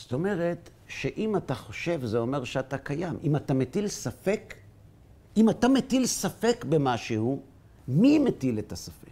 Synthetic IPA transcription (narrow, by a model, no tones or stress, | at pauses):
zto̞me̞ʁet | ʃe̞ʔimataχo̞ʃe̞vzeo̞me̞ʁʃeatakajamʔimatametilsafe̞k | imatametilsafe̞kbemaʃehu | mimetiletasafek